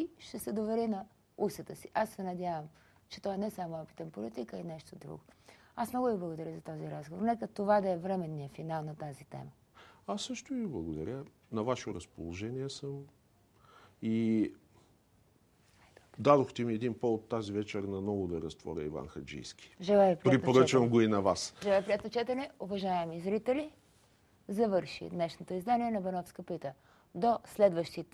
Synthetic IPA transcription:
iʃt̪ɛsɛd̪ovɛɾinɐ | usət̪əsiʔasːɛnɐd̪ʲavəm | t͡ʃɛ̥t̪ɔɛnɛsamoɔpi̥t̪ənpolit̪ikəinɛʃt̪od̪ɾṵɡʊ | asmnɔɡʊviblˠəɡod̪ɐɾəzɐt̪ɔziɾazɡovoɾnɛkət̪ovad̪ɐɛvɾɛmɛnːijəfinalˠnɐt̪azit̪ɛ̰mə | asːɤʃt̪ʊiviblˠɐɡod̪ɐɾʲə | nɐvaʃoɾɐspolˠoʒɛniɛsəm | i | d̪ad̪oxt̪ɛmiɛd̪inpoot̪ːazivɛt͡ʃɛɾnɐmnɔɡʊd̪ɐɾɐst̪vɔ̰ɾʲɛ̰ḭva̰nxɐd͡ʒḭjskʰʲi̥ʒɛlˠajpɾipɾip̪oɾət͡ʃvɐmɡoinɐvasʒɛlˠaipɾiɛt̪ot͡ʃɛt̪ənɛovɐʒaɛmizɾit̪ɛli | zɐvɤɾʃḭd̪nɛʃnot̪oizd̪aniɛnɐbɛnɔfskəpit̪ə | d̪oslɛd̪vəʃt̪it̪

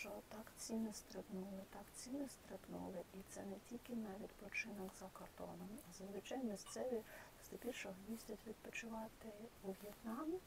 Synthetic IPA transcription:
t͡ʃɔt̪ɑkt͡sʲinɪst̪ɾɪpnulˠɪt̪ɑkt͡sʲinɪst̪ɾɪpnṵlˠɪʔit̪sɛnɛtʲilʲkɪnɐʋʲid̪pɔt͡ʃɪnɐkzɐkɐrt̪ɔ̰nɔmɐzzʋɪt͡ʃɑjmʲisʲt̪sɛʋʲi | st̪ɪpʲirʃɔɦʋʲizʲdʲɐtʲʋʲid̪̚pɔt͡ʃʊʋɑt̪ɪuʋʲjɛt̪nɑm

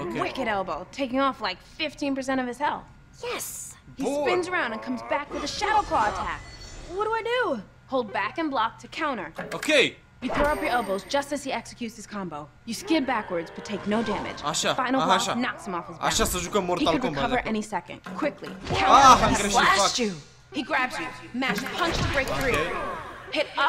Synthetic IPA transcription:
okwɪkɨɾɛlˠboʊtʰeɪkɪ̃ŋɔflaɪkfɪftʰĩnpə˞s̬ɛ̃ɾ̃ʌv̥ɨz̥hɛlˠθ | jɛshisɪ̃nzə˞ãʊ̃ndɨ̃nkʰʌ̃mzbækwɨðɨʃæɾoʊkʰl̥ɔətʰæ̰k̚wʌt̚dəaɪdɨ | hoʊlˠd̚bækɨ̃nblɑk̚tʰɨkʰãʊ̃ɾ̃ə˞oʊkʰeɪ | jɨθɔɹʌpjə˞ɛlˠboʊzd͡ʒʌstɨz̥iɛksɨkʰjʉtsɨz̥kʰɑ̃mboʊ | jɨskɪd̚bækwə˞dzb̥ʌtʰeɪk̚noʊdæmɨ̰d̥ʒ̥aʃafãɪ̃nl̩ˠanɑksə̃mɔfɨzbã̰ʃasozəɡomɔɾikʰɨd̚ɹɨkʌə˞ʔɛñisɛkɨ̰̃nd̥kʰw̥ɪklḭkʰãʊlæt͡ʃɨ | hiɡɹæbzjɨmæt͡ʃpʰʌ̃nt͡ʃtɨbɹeɪk̚ɹi | hɪɾʌ

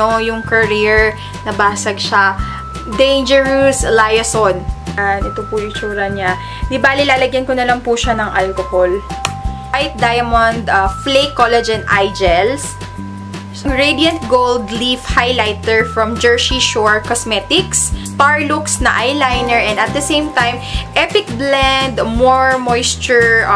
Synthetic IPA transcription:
ojʊŋkɐɾiɹ | nɐbaːsɐɡ̚ʃa | d̪ẽjnd͡ʒɛɹuslajɐsonanʔɛt̪opʊjʊt͡ʃuːɾɐɲa | nɪbaːlɪlaːlɐɡjɐnkonɐlɐŋpʊʃanɐŋʔalkohol | wajt̪̚d̪ajɐmɐnd̪ɐflejkːolɛd͡ʒɛnd̪ʔajd͡ʒɛls | sɐŋɹed̪ijɐnt̪̚ɡowld̪lifhajlajt̪ɛɹfɹɐmd͡ʒɛɹsiʃɔɹkɔsmɛt̪ɪkst̪aɹluksnɐ̰ʔajlajnɛɹɛ̃nd̪ɐt̪̚d̪ɐsejmt̪ajmʔɛpɪk̚blɛnd̪mɔɹmojst͡ʃʊɹ

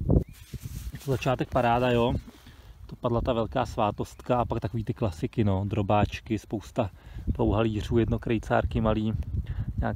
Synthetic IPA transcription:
ot̪ozat͡ʃaːt̪ɛk̚paɾaːdajo | d̥̪opadlat̪avɛlkaːsvaːt̪o̞st̪kaapakt̪akoviːt̪ɪklasɪkɪnod̪ɾo̞baːt͡ʃkɪspo̞wst̪apowɦaliːr̝uːjɛdno̞kɾɛjt͡sa̰ːɾkɪmaliːɲaː

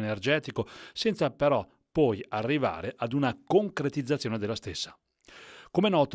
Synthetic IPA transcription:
nerd͡ʒɛːt̪ikosɛnt̪sapeɾɔ | pːɔjarːiva̰ːɾeʔad̪unakoŋkɾet̪id̪zːat̪sːjoːned̪elːast̪esːḁ | komenɔːt̪

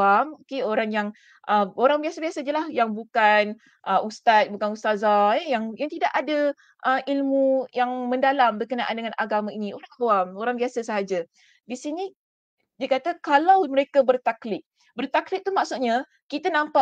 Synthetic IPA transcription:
amkeoɾaŋjaŋ | ʔəoɾaŋbiasabiasad͡ʒəlahjaŋbukan | ʔəʔust̪at̪̚bukanust̪azajaŋjaŋt̪idaʔada | ʔəmʔilmujaŋmə̃ndalambərkənaʔa̰ndəŋanʔa̰ɡamãinioaŋawamoɾaŋbiasasəɦad͡ʒa | disini | diəkat̪akalawməɾekabərt̪aklɪʔ̚ | bərt̪aklɪʔ̚t̪umaksut̪̚ɲa | kit̪anãmpa

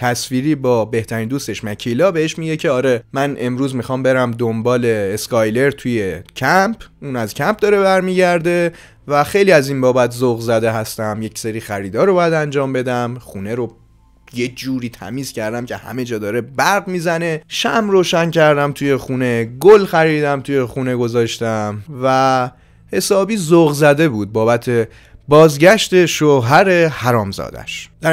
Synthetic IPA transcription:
t̪ʰæsfiːɾiːbɒːbe̞ht̪ʰæɾiːnd̪uːst̪e̞ʃmæcʰiːlɒːbeheʃmiɟecʰe̞ɒːɾemænʔe̞mɾuːzmixɒːmbe̞ɾæmd̪ombɒːle̞ːskɒjle̞ɾt̪ʰuje̞cʰæmpʰuːnæzcʰæmp̚d̪ɒːɾebæɾmiːɟæɾd̪e̞ | væxe̞jliæziːnbɒːbæt̪ʰzoɣzæd̪e̞ɦæst̪æmje̞cseɾiːxæɾiːd̪ɒːɾobɒːjæd̪ænd͡ʒɒːmbe̞d̪æmxuːneɾo | jed͡ʒuːɾiːt̪ʰæ̰miːz̥cʰæɾd̪æmcʰe̞hæ̰med͡ʒɒːd̪ɒːɾe̞bæɾɣmiːzæne̞ʃæmɾoːʃæncʰæɾd̪æmt̪ʰuje̞xune̞ɡolxæɾiːd̪æmt̪ʰuje̞xuːne̞ɡo̞zɒːʃt̪æmvæ | he̞sɒːbiːzoɣzæd̪e̞buːd̪̚bɒːbæt̪ʰe̞ | bɒːzɟæʃt̪e̞ʃoːɦæɾe̞hæɾɒːmzɒ̰ːd̪æ̰ʃd̪̥æ

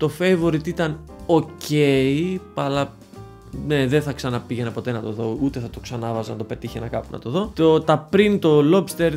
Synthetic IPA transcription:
t̪o̞fejvoɾit̪it̪ɐn | oce̞ipɐlɐ | ne̞ðenθɐksɐnɐpiʝenɐpo̞t̪e̞nɐt̪o̞ðo̞ut̪e̞θɐt̪o̞ksɐnɐvɐznɐt̪ope̞t̪içenɐkɐpunɐ̰t̪o̞ðo̞t̪ot̪ɐpɾint̪o̞lo̞bst̪eɾ

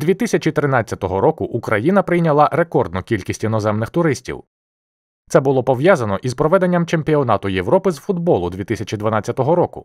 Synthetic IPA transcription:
d̪ʲʋʲit̪ɪsʲɐt͡ʃit̪ɾɪnat͡sʲːɐt̪ɔɦɔɾɔkʊʔukɾɐjin̪ɐpɾɪjnʲɐlˠɑɾe̞kɔrd̪nɔkʲilʲkʲisʲtʲinɔzɛmnɪxt̪ʊɾɪsʲtʲḭw | t̪sɛbʊlˠɔpɔʋjazɐnɔʔizpɾɔʋɛd̪e̞nʲːɐmt͡ʃe̞mpʲiɔnɑt̪ʊjewɾɔpɪzfʊd̪bɔlˠʊd̪ʋʲit̪ɪsʲɐt͡ʃid̪ʋɐnɑt͡sʲːɐt̪ɔɦɔɾɔkʊ̰

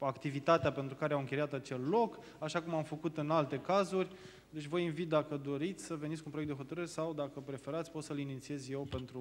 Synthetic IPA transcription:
akt̪ivit̪at̪eape̞nt̪ɾukaɾeawɨŋkʲe̞jat̪at͡ʃe̞lːo̞k | aʃakumamfəkut̪ɨnalt̪e̞kazurʲ | d̪e̞t͡ʃʲvəjinvit̪̚d̪akəd̪o̞ɾit̪sʲsəveiskunpɾoek̚t̪d̪e̞ɦo̞t̪əɾɨɾesawd̪akəpɾe̞fe̞ɾat̪sʲpo̞t̪səlinit̪sie̞zje̞wpe̞nt̪ɾu

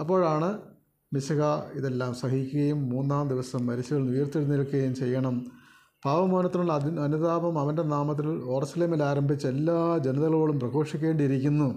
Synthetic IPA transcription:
ɐpːo̞ːɻaːɳɨ | miɕɐɣɐiðe̞lːaːmsɐɦikʲːuɣɐjumːuːnːaːmd̪iʋɐsɐmːɐɾiɕuɣɐɭnujɐrt̪ːiɽuniɭkːuɣɐjumt͡ɕe̞jːɐɳɐm | b̥ʱaːʋɐmoːnɐt̪ːinuɭɐɐnud̪aːbɐmɐʋɐnde̞naːmɐt̪̬ːilo̞ːrɐsɐleːmilaːɾɐmbʱit͡ɕːe̞lːaːd͡ʑe̞nɐðɐɣɐɭoːɭumprɐɡo̞ːʂikʲːe̞ːɳɖiɾikʲːunːu

